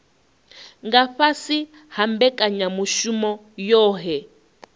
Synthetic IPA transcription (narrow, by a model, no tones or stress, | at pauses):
ŋɡaɸasi | hambɛkʼaɲamuʃumɔ | jɔːɦɛ